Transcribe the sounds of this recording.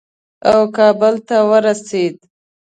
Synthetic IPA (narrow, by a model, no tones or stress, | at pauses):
awkɑbəlt̪awəɾased̪